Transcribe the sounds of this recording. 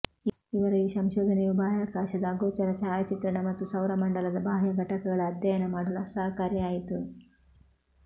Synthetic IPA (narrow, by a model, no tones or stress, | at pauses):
iʋɐɾuiːsɐmʃoːd̪ʱɐnɛjubʱaːjaːkaːʃɐd̪ɐːɡoːt͡ʃɐɾɐt͡ʃaaːjt͡ʃit̪ɾɐɳɐmɐt̪ːusɐwɾɐmɐɳɖɐlɐd̪ɐbʱaːɦjɐɡʱɐʈɐkɐɡɐɭɐːd̪jɐjɐnɐmaːɽulɐsɐːɦɐkaːɾjɐaːjit̪u